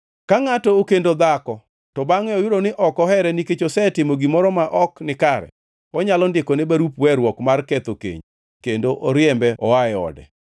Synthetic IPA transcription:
kaŋatɔːkendod̪akɔ | tɔbaŋɛɔjʊɾonɪʔɔkɔɦɛɾɛniket͡ʃosɛtɪmoɡimɔɾɔmaʔɔknɪkaɾɛ̰ | ɔɲalɔndɪkɔnɪbaɾupwɛɾwɔkmarkɛt̪okḛɲ | kendoʔoɾjɛmbɛɔwaɛɔ̰dɛ̰

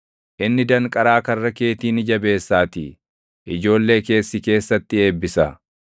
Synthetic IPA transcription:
ʔɪnːɪd̪ɐŋkʼɐɾaːkɐrːɐke̞ːt̪iːnɪd͡ʒɐbe̞ːsːaːt̪ɪ̰ | ʔɪd͡ʒo̞ːlːe̞ːke̞ːsːɪke̞ːsːɐt̪ːɪe̞ːbːɪsɐ

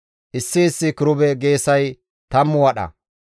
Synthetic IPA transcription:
ʔɪsːɪːsːɪkɪɾʊbɛɡe̞ːsɐj | t̪ɐmːʊwɐɗɐ̰

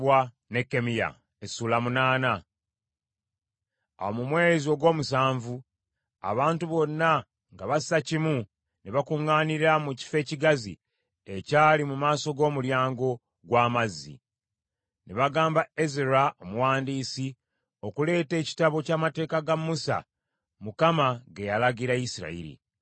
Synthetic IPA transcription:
wa | ne̞kːe̞mija̰ | esuːlamunaːna | a̰womumwe̞ːzio̞ɡwo̞ːmusaːɱvu | a̰βaːntuβo̞nːa | ŋɡaβasacimu | neβakuŋːaːniɾamuci̥fe̞ːciɡazḭ | ecaːlimumaːso̞ɡo̞ːmuljaːŋɡo̞ | ɡwaːmazːḭ | neβaɡaːmbae̞zeɾao̞muwaːndiːsi | o̞kule̞ːte̞ːci̥taβo̞caːmate̞ːkaɡamːusa̰ | mukamaɡe̞jalaɡiɾaisiɾa̰ḭɾḭ

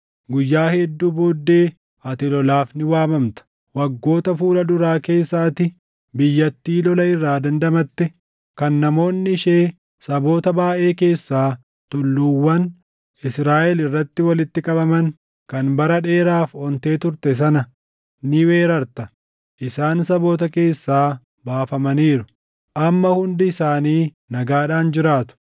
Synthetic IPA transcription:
ɡʊjːaːhɛd̪ːuːbo̞ːd̪ːe̞ː | ʔɐt̪ɪlɔlaːfnɪwaːmɐmt̪ɐ̥ | wɐɡːo̞ːt̪ɐfuːlɐd̪ʊɾaːke̞ːsːaːt̪ɪ | bɪjːɐt̪ːiːlɔlɐɪrːaːd̪ɐnd̪ɐmɐt̪ːɛ | kɐnːɐmo̞ːnːɪɪʃe̞ː | sɐbo̞ːt̪ɐbaːʔe̞ːke̞ːsːaː | t̪ʊlːuːwːɐn | ɪsɾaːʔɛlɪrːɐt̪ːɪwɐlɪt̪ːɪkʼɐbɐmɐŋ | kɐnbɐɾɐᶑe̞ːɾaːfɔnt̪e̞ːt̪ʊɾt̪ɛs̬ɐnɐ | nɪwe̞ːɾɐɾt̪ɐ | ʔɪsaːnsɐbo̞ːt̪ɐke̞ːsːaː | baːfɐmɐniːɾʊ | ʔɐmːɐhʊnd̪ɪɪsaːniː | nɐɡaːᶑaːnd͡ʒɪɾaːt̪ʊ̥

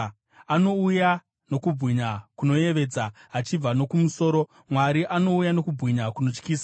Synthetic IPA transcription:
ano̞uja | no̞kubʱɣiɲakuno̞je̞ʋe̞ːd͡zaat͡ʃib͡vano̞kumuso̞ːɾo̞ | mwaɾiʔano̞ujano̞kubʱɣiɲakuno̞t͡ʃkiːsa

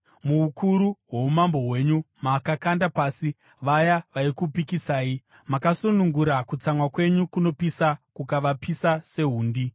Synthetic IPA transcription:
muukʰuɾuɦwo̞umambo̞ɦwe̞ɲumakakandapaːsi | ʋajaʋaikupikisaːi | makasunuŋɡuɾakut͡samwakwe̞ɲukuno̞pisakukaʋapisase̞ɦuːndi

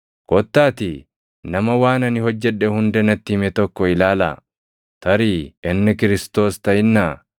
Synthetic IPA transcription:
kɔt̪ːaːt̪ɪ | nɐmɐwaːnɐnɪhɔd͡ʒːɛᶑːɛhʊnd̪ɛnɐt̪ːɪmɛt̪ɔkːɔɪlaːla̰ | t̪ɐɾiːɪnːɪkɪɾɪst̪o̞ːst̪ɐɪnːaː

